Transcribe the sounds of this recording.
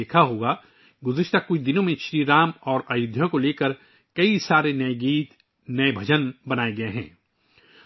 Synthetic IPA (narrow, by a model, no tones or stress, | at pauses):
eːkʰaɦoːɡa | ɡʊzɪʃt̪akʊt͡ʃʰd̪ɪnõmẽʃɾiːɾaːmɔːɾaːjʊd̪ʱjõkoleːkəɾ | kɐisaːɾenɐeɡiːt̪ | nɐebʱɐd͡ʒənbɐnaːeɡɐeɦɛ̰̃ː